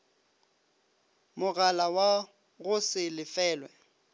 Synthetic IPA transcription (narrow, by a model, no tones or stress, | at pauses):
mʊɣalawa | ɣʊsɪlɪfɛːlwɛ